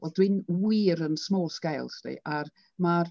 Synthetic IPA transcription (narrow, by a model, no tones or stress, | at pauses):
vɛlˠdwɪnwiːɾənsmoːsɡ̥ajlˠsdḭʔar | mar